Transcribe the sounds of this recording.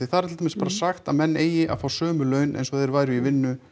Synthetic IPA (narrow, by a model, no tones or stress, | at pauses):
ɪθaðɾt̪ʰɪlamɪnspaːɾasaxt̪aðmɛnːeːjɪʔa̰ðfaːwsœːmʏlœːɥnʔḛjnsɔθeɪjɾvaːjɾʏivɪnːʏ